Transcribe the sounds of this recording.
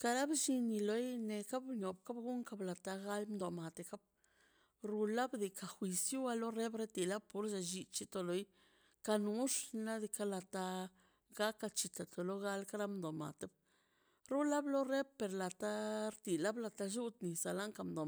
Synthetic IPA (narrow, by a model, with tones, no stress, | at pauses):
ka˧ɾa˦bʃi˧ni˧lo˨˦jne˨ka˦bɲo˨bka˦bɡu˦ŋka˦bla˨t̪a˧ɡa˦lmd̪o˨ma˨t̪e˧ka˦b̚ | ɾu˧la˦bd̪i˨˧ka˨xʷi˧sju˦a˧lo˦re˦bɾe˦t̪i˨la˦b̚pu˦ɾʃa˧ʒi˧t͡ʃi˦t̪o˧lo˨˦j | ka˧nu˧˦ʂna˦d̪i˧ka˧˦la˧t̪a˧ | ɡa˦kːa˧t͡ʃi˧t̪a˨t̪o˨lo˦ɡa˧lka˦ɾa˦md̪o˨ma̰˨t̪e˦b | ɾu˦la˦blo˦ɾe˦b̚pe˨ɾla˨t̪a˦ɾt̪i˨la˦bla˧t̪a˧ʒu˦t̪ni˨sa˨la˦ŋka˧md̪o˨